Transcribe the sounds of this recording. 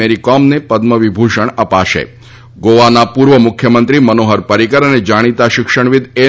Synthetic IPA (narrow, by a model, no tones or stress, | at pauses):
eɾikɔmnepəd̪məʋibʱuʃəɳəpaʃḛ | ɡoʋanapuɾʋəmʊkʰjəmənt̪ɾimənoɦəɾpəɾikəɾəned͡ʒaɽ̃it̪aʃɪkʃəɳ̃ʋɪd̪ʱe